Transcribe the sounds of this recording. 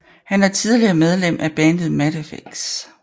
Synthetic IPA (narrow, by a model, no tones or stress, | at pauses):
hænæɐt͡sʰið̞ˠliɐmeð̞ˠlem̰ʔæb̥ɛn̥ð̩ˠmæɾəfeɡ̥s